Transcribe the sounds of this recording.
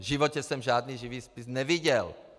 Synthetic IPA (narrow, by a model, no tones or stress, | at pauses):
ʒɪvocɛsɛmʒaːdniːʒiviːspɪsnɛvɪɟɛl